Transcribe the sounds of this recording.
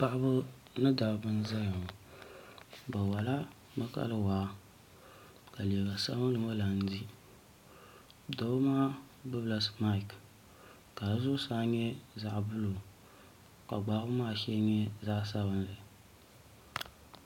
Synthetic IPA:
pa˦ʔbʊ˦ | nɨ˦da˨bbɨ˦n˦za˦ja˨ŋ˨ | ba˨wa˨la˦ | ma˦ka̰˦lɨ˦waː˨˦ | ka˨le˨ba˨sa̰˦bɨ˦nɨ˨ma˦la˨n̩˦di˦ | do˨˦maː˦ | bɨ˦bla˦sma˦i˨k | ka˨zʊ˦saː˦ɲɛ˦za˦ʔbʊ˦lo˨ | ka˨ɡ͡ba˨˦bʊ˦maː˦ʃɛ˦ɲɛ˦za˦ʔs̬a˦bɨ˦nlɨ˨

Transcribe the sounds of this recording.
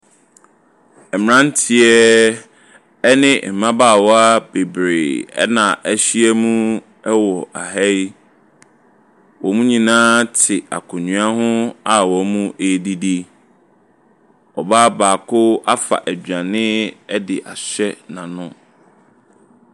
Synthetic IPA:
ɛ˨m˨ã˦n˦tʰɪ˦ɛ˦ | ɛ˦nɪ̃˦˨m̩˨mã˦baː˦˨wɔ˦a˦b̥e˨bɾe˨ɛ̰˦nã˨ʔæ˦ɕi˦ɛ˦mũ˦ | ɛ˦wɔ˨ʔa˨ɦɛ˦i˦ | wɔ˨mũ˦ɲĩ˨nãː˦tʰɪ˨a̰˨kʰʊ̃˨ɲũ˨a˦ɦʊ̃˦a˨wɔ˨˦mũ˦ʔe˨di˦di˦ | ɔ˨baː˦baː˨kʰʊ˦a˦fa̰˨ʔæ˨d͡ʑᶣã˨nɪ̃˦ɛ˦dɪ˨ʔa˨ɕᶣɛ˦nã˨nʊ̃˦

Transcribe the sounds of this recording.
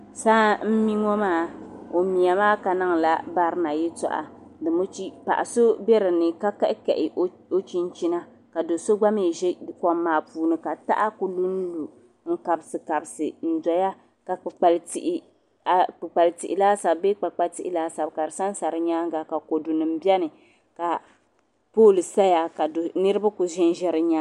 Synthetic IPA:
saː˦m̩˦mi˦ŋɔ˦maː˦˨o˨mi˨ja˨maː˦ka˨na˦ŋ˨la˦ba˦ɾɨ˦na˨ji˦tɔ̰˨ʔa̰˨ | dɨ˨mo˦t͡ʃi˦pa̰˨ʔa˨so˦bɛ˦ɾɨ˨nɨ˨ka˦ka˦ʔkɛ˨ʔɪ˨ʔ | o˦t͡ʃi˦n˦t͡ʃi˦na˦ | ka˨do˨so˦ɡ͡ba˦me˦˨ʒɛ˦kɔ˦mːaː˨puː˨nɨ˨ka˨ta̰˦ʔa˦ku˨lu˦n̩˦lu˨ | ŋ̩˦ka˨bsɨ˨ka˨bsɨ˨n̩˨dɔ˨ja˦ | ka˨k͡pɨ˨k͡pa˨lti˦ʔɪ˦ | a˨k͡pɨ˨k͡pa˨ltḭ˨ʔɪ˨laː˦sa˨bbe˦k͡pa˨k͡pa˦ti˦ʔɪ˦laː˦sa˨bka˨ɾɨ˨sa˦n˦sa˨ɾɨ˦ɲaː˦ŋ˦ɡa˨ka˨ko˨du˨nɨ˨m̩˦bjɛ˦nɨ˨ | ka˨ | poː˦˨lɨ˨sa˦ja˨ka˨do˨nɨ˦ɾɨ˦ba˦ku˨ʒɪ˦n˦ʒɛ˦ɾɨ˦ɲa˦

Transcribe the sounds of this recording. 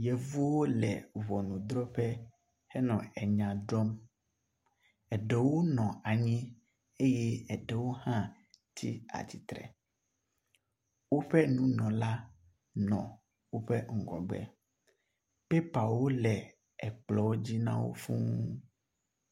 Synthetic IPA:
je˨vu˦wo˦lɛ̰˨vɔ˨nũ˨d̪ɾɔ˦ɸɛ˦ | hɛ˦nɔ̃˨ɛ˨ɲã˨ɖɔ˦m | ɛ˨ɖɛ˨wo˦nɔ̃˨a˨ɲĩ˦ | e˦je˦ɛ˨ɖɛ˨wo˦hã˦ | t̪ʰi˦a̰˨t͡ɕi˨t̪ɾɛ̰˨ | wo˦ɸɛ˦nũ˦nɔ̃˨la˦ | nɔ̰̃˨ | wo˦ɸɛ˦ŋ̩˦˨ɡɔ̰˨ɡ͡bɛ̰˨ | pe˦pa˨wo˦lɛ˨ | ɛ˨k͡plɔ˨wo˦d͡ʑi˦nã̰˦wo̰˦fṵ̃˦

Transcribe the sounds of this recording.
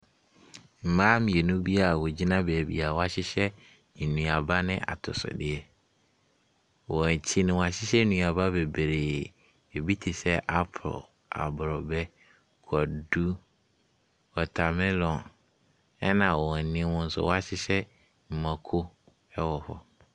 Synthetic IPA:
m̩˨mãː˦mĩ˨e˨nũ˦bi˦a˨wo˨d͡ʑi˦nã˦bɛ˨æ˨bḭ˨a˨wɔ˦a˨ɕɪ˦ɕɛ˦ | n̩˨nũ˨a˨ba˦nɪ̃˦ʔa̰˨tʰʊ̰˨sʊ̰˨dɪ˨ɛ˦ | wɔ˨t͡ɕʰi˦nɪ̃˦wa˨ɕɪ˦ɕɛ˦n˦nũ˨a˨ba˦be˨be˨ɾeː˨ | e˨bi˦tʰi˨sɛ˦ʔa˦pʰʊ˨ɾɔ̰˨ | a̰˨bʊ˨ɾɔ˨bɛ˦ | kʰɔ˨du˦ | kʰɔ˨tʰa˨mɪ̃˦lɔ̃˨n | ɛ˦nã˨wɔ˨ɛ˨nɪ̃˦wʊ̃˦n̩˦sʊ̰˦wɔ˦a˦ɕɪ˦ɕɛ˦ | m̩˨mã˨kʰo˦ | ɛ˦wɔ˨fɔ˦

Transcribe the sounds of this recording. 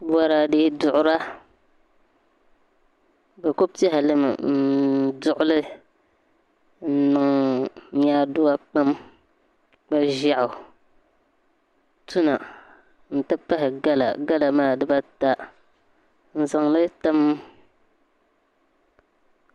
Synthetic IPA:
ba˦ɾa˨dɨ˦dʊ˨ʔʊ˦ɾa˦ | ba˨ko˦pi˦ɛ˦ɦɪ˨lɨ˦m̰˨n̩˦˨dʊ˨ʔʊ˦lɨ˦ | n̩˦nɨ˨ŋ˦ɲ˦aː˦dʊ˦wa˦k͡pa˦m | k͡pa˦ʒa˨ʔʊ˨ | tu˦na˨ | n̩˨tɨ˦pa˦hɪ˨ɡa˦la̰˨ɡa˦la˨maː˦˨dɨ˦ba˦ta˦ | n̩˨za˨ŋlɨ˦ta˦m˦

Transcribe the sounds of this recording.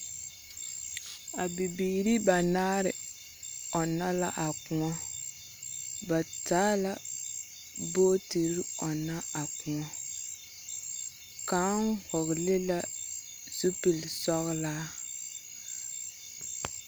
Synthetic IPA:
a˨bi˨biː˨ɾi˦ba˨naː˦ɾɪ˨ | ɔ˨na˦la˦ʔa˨kʊ˨ŋɔ˦ | ba˨taː˦la˦ | boː˦ti˨ɾi˦ɔ˨na˦a˨kʊ˨ŋɔ˦ | kaː˨˦ŋhɔ˨ɣle˦la˦ | z̥u˦pi˨lsɔ˦ɣla˦

